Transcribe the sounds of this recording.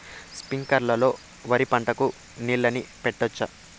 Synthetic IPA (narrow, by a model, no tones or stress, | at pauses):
spiŋkɐɾlɐlo̞ː | ʋɐɾipɐɳʈɐku | niːɭːɐnipɛʈːɔt͡ʃːɐ